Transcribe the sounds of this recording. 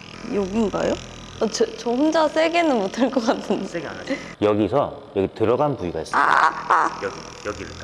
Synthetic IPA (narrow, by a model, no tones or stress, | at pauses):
joɡinɡa̰jo | ʌt͡ɕɯt͡ɕohund͡ʑas͈ʰe̞ɡenɯnwotʰɯɭk͈ʌk͈atʰːɯnɡa | jʌɡisʰʌ | jʌɡitɯɾʌɡanpuiɡais͈ɯaa | jʌɡi